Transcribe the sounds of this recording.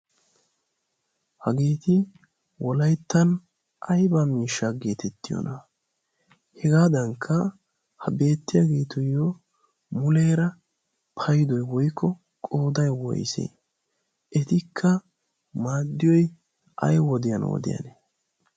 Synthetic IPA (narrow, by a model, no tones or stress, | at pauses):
hɐɡeːt̪ɪ | wɔlɐjt̪ːɐn | ʔɐjbamiːʃːaɡe̞ːt̪ɛt̪ːɪjɔ̰nʔɐ | hɛɡaːd̪ɐŋkʰːɐ | hɐbe̞ːt̪ːɪjaɡeːt̪ʊjːo | mʊleːɾɐ | pʰɐjd̪ɔjwɔjkʰːɔ | kʼo̞ːd̪ɐjwɔ̰jsḛː | ʔɛt̪ɪkʰːɐ | maːd̪ːɪjɔj | ʔɐ̰jwɔd̪ɪjɐ̰nwɔ̰d̪ɪ̰jɐ̰neː